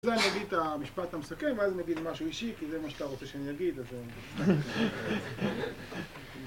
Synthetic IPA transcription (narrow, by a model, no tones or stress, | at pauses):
zeanijaɡid̪t̪amiʃpat̪hamesakemveazmeɡidmaʃuiʃikizemaʃeat̪aʁot͡seʃeanijaɡid̪aze